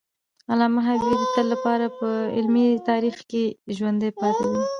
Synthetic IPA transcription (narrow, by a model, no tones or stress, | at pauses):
alɑmaɦabid̪ət̪əlːapɑɾapəɪ̰lmit̪ɑɾixkeʒwand̪əjpɑt̪awi